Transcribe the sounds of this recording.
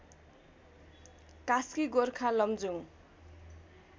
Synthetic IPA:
kaskiɡorkʰalʌmd͡zuŋ

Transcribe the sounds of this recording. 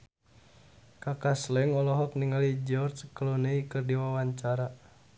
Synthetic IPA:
kakaslɛŋɔlɔɦɔkniŋalid͡ʒɔrt͡ʃkəlɔnəikɨrdiwawaɲt͡ʃaɾa

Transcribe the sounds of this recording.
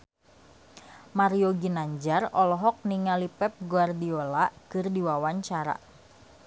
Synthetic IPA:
maɾioɡinaɲd͡ʒarɔlɔɦɔk̚niŋalipɛp̚ɡuardiolakɨrdiwawaɲt͡ʃaɾa̰

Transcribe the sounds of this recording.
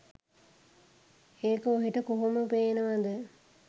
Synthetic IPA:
eːkəoɦiʈəkoɦuməpeːnəʋad̪ə

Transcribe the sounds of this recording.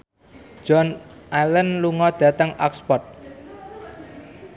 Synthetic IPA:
d͡ʒ̥ɔnʔalənluŋɔd̪̥ä̤t̪əŋɔkspɔt̪̚

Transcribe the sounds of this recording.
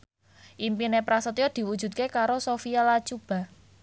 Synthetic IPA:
ʔimpinepɾasət̪ijɔd̪̥i̤wud̥ʒ̥ṳd̪̚kekaɾosofialat͡ʃub̥a̤

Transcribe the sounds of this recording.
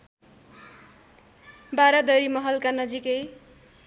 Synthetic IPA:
baɾʌd̪ʌjmʌɦʌlkanʌd͡zikej

